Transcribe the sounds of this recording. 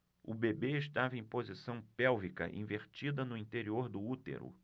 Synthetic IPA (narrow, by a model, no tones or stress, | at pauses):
ʊbebeɪʃt̪avɐẽpozisɐ̃w̃pɛwvikɐ̰ʔḭ̃veɾt͡ʃid̪ɐnʊĩt̪eɾioɾd̪ʊut̪ḛɾʊ̰